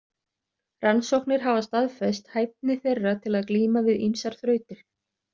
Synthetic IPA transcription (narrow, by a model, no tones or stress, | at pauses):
ransowhknɪɾ̥ɦavast̪aðfɛst̪haːjp̚nɪθejrːat̪ʰɪlaðkliːmavɪðinsaɾ̥θɾœːɥt̪ɪɾ̥